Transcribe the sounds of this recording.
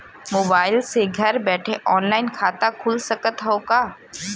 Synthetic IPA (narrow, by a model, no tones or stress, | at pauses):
moːbaːɪlseɡʱɐɾbɛːʈʰeʔɔːnlaːɪnkʰaːt̪akʰʊlsɐkət̪ɦoːkaː